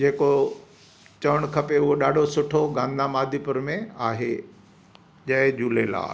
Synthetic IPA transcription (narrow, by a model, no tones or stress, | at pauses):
d͡ʑeːko | t͡ɕɐʋəɽ̃kʰɐpeʊɦoɗaːɖʱosʊʈʰoɡãːnd̪amaːd̪ʱipʊɾmẽaːɦḛ | ʄɐɦɪd͡ʑuːlela̰ː